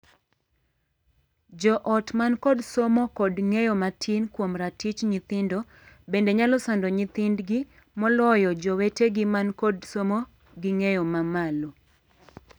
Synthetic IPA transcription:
d͡ʒɔʔɔtmankɔdsomɔkɔdŋejɔmatʰinkwomɾatit͡ʃɲit̪ɪndo | bendeɲalɔsandɔɲɪt̪ɪndɡɪ | mɔlɔjɔd͡ʒɔweteɡɪmankɔdsomɔ | ɡɪŋejɔmamalo

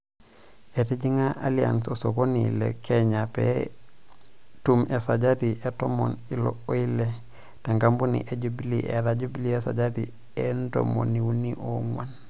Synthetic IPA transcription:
etiɟiŋaalia̰nsosoɡonilḛkʰeɲapḛ | tumʔesaɟadiʔetomo̰nilo̰oile | taŋɡambunḭʔeɟubiliʔḛɾaɟubiliesa̰ɟadi | endo̰mo̰niwuniʔo̰ŋwan

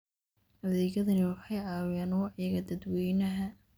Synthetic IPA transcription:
hɐðɛːɣɐðɐnɪwɑħɑjaːwaːnwɑʕjɐɣɐd̪ɐd̪wɛjnɐɦɐ

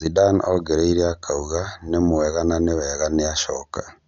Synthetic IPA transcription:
zidanɔɡɛɾeiɾeakʰauɣanemoɛɣananewɛɣaneaʃɔka

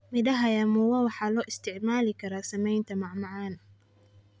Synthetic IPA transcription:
mɪdɐɦɐjamʊwɐwɑħɑːlɔːʔɪst̪ʰɪʕmaːlɪkʰɐɾaːsɐmɛjnt̪ʰɐmɑʕmɑʕaːnɐ

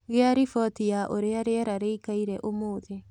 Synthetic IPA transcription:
ɣeaɾifɔtijaʔoɾeaɾeaɾaɾeikaiɾɛʔomoːðe

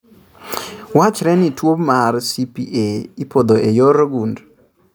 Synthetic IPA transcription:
wat͡ʃɾɛnitwopmarsipiʔeipod̪oʔejɔɾɡund

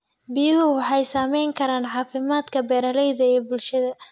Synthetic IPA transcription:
bɪjɪɦʊwɑħɑjsaːmɛjŋkʰɐɾaːnʕɑːfɪmaːd̪kʰɐbɛːɾɐlɛjðɐɛːbʊlʃɐðɐ

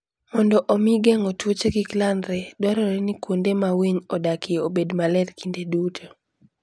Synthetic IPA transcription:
mɔndɔʔomiɡɛŋɔtwot͡ʃeɡiklandɾɛdwɔɾɔɾɛnikwondemaweɲɔdakʰɪobedmalɛɾkindedutʰo

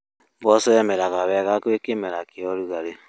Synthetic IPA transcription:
bɔsɔɛmɛɾaɣaβɛɣakekemɛɾakeɔɾuɣaɾe

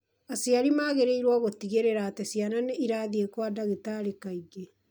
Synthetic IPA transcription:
asiaɾimaːɣeɾeiɾwaɣotiɣeɾeɾaːtɛsiananɛiɾaːðiekwadaɣetaːɾekaiɡe

